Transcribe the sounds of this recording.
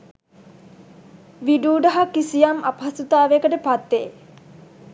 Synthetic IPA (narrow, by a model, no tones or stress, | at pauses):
ʋiɖuːɖəɦakːisijamapɦɐsut̪aːʋekəʈəpat̪ːe